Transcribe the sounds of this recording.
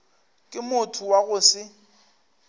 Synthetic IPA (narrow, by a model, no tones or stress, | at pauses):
kʼɪmʊtʰʊwaɣʊsɪ